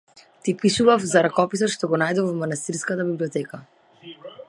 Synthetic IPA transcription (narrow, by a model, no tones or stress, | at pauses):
t̪ipiʃuvafzaɾakɔpisɔt̪ʃt̪ɔɡɔnajd̪ɔvɔmanast̪iɾskat̪abibliɔt̪ɛka